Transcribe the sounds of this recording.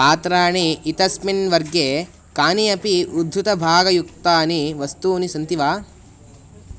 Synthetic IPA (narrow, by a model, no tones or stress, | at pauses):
paːt̪ɾaːɳiːt̪ɐsminʋɐɾɡjeː | kaːniɐpiʔud̪ʱːut̪ɐbʱaːɡɐjuk̚t̪aːniʋɐst̪uːnisɐnt̪iʋaː